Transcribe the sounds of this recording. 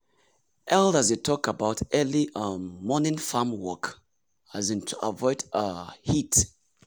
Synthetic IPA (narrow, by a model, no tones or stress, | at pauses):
ʔɛldazjutʰɔkəbaʊtɜliʔʌːɔnɪ̃nfamwɔk | azĩntʰuʔə̰vɔɪdəhit